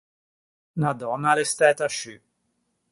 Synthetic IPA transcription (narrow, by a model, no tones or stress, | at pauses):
nad̪ɔnːalest̪ɛt̪aʃy